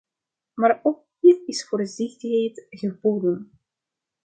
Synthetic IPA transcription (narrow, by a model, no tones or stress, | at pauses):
maːrok̚hiːrɪsfoːrəzɪxtəejtɣəboːdən